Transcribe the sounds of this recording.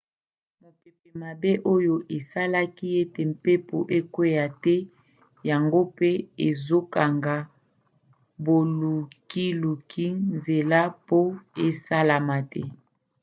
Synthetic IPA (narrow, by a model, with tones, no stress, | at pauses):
mo˨pe˨pɛ˨ma˨be˦ʔo˦jo˨ʔe˨sa˦la˦ki˦e˦te˨m̩˨pe˦po˨ʔe˦kwe˦ja˨tɛ˦ | ja˨ŋɡo˦pe˦e˨zo˦ka˨ŋɡa˨ | bo˨lu˨ki˦lu˨kʰi˦nze˨la˦po˦e˦sa˦la˨ma˨tɛ̰˦